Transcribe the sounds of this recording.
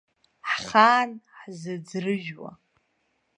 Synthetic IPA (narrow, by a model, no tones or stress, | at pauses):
ħχaːnħzɨd͡zrɨʒᶣwa̰